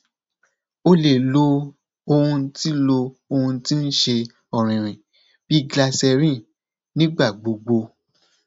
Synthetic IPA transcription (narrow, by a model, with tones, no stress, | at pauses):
o˦le˦˨lo˧˦ | o˧hũ˧ti˦lo˧o˧hũ˧ti˦n̩˦ʃe˧ | ɔ˨ɾ̃ĩ˨ɾ̃ĩ˨ | b̥i˦ɡla˧sɛ˧ɾĩ˦˨ | nĩ˦ɡ͡ba˦˨ɡ͡bo˨ɡ͡bo˧